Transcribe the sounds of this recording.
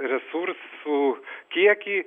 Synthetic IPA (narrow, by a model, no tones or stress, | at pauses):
ɾʲɛsuɾssʊkʲiɛkʲiː